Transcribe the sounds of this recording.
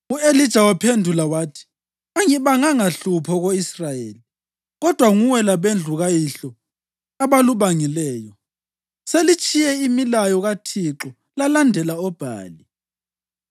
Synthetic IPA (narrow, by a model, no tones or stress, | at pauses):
uelid̥ʒ̥ʱawapʰendʱulawaːtʰi̥ | aŋiβaŋaŋaɬupʰɔɣoisrajeːli | ɣɔd̥ʱwaŋuwɛlaβend͡ɮʱuɣajiɬɔ | aβaluβaŋilɛːjɔ | selit͡ʃʼijɛimilajɔɣatʰiǁɔ | lalandʱɛlaɔb̥ʱa̰ːli